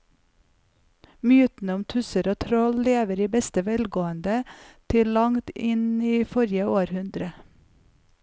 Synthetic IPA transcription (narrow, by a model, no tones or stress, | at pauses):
mjʉːt̪n̩əʊmt̪ʰʉsəɾoːt̪ʰɾɔlleːʋəɾiːbɛst̪əʋɛlɡoːənd̪ət̪ʰɪllɑŋt̪ɪniːfɔɾjəoːɾhʉnd̪ɾə